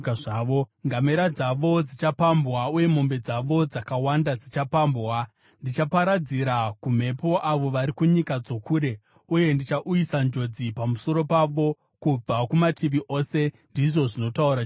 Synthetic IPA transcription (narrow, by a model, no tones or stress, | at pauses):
aʋoŋɡame̞ɾad͡zaʋo̞d͡zit͡ʃapambwauje̞m̤o̞mbe̞d͡zaʋo̞d͡zakawandad͡zit͡ʃapambwa | ndit͡ʃapaɾad͡ziɾakum̤e̞po̞ʔaʋo̞ʋaɾikuɲikad͡zo̞kuːɾe̞ | uje̞ndit͡ʃaʔujisand͡ʒo̞d͡zipamuso̞ɾo̞paʋo̞ | kub͡vakumatʰiʋiʔo̞se̞ndiʐo̞ʐino̞tauɾa